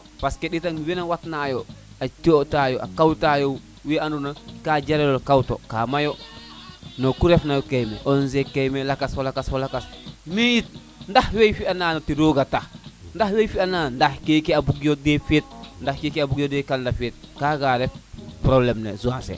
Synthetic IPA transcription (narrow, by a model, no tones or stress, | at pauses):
paskeɗitanwenawatnaːjo | at͡ʃotajoʔa̰kawtajo | weandunakad͡ʒaɾelolkawto̰kaːmajo | nokuɾefnajokejmḛʔonzekejmelakasolakasfolakasmejit̚ | ndahwejfiananotiɾoɡatahndahwejfianandahkekeabuɡjodefet̚ndahkekeabuɡjodekaldafet̚kaɡaɾefpɾoblemnḛzuansḛ